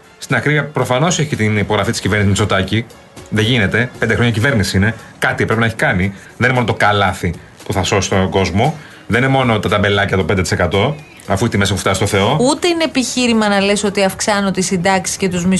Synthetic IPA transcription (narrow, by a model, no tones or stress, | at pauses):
st̪inɐkɾiɐpɾo̞fɐno̞seçit̪inipo̞ɣɾɐfit̪isciveɾnszmisot̪ɐci | ðeʝine̞t̪e̞pend̪exɾoɲɐicive̞ɾnisiine̞kɐt̪ipɾepinɐeçi̥kɐni | ðeninemo̞not̪okɐlɐθi | puθɐso̞sist̪oɡo̞zmo̞ | ðeninemo̞no̞t̪ɐt̪ɐbe̞lɐcɐt̪o̞pend̪et̪ise̞kɐt̪o̞ | ɐfuit̪ime̞sɐpuft̪ɐsist̪oθe̞o̞ut̪e̞inepiçiɾimɐnɐle̞so̞t̪iɐfksɐnot̪isind̪ɐksi̥scet̪uzmi